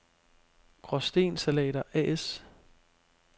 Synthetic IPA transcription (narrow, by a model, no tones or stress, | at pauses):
ɡ̥ʁɒsd̥e̝̰ːnsælɛ̰ːɾ̥ɐʔɛ̰es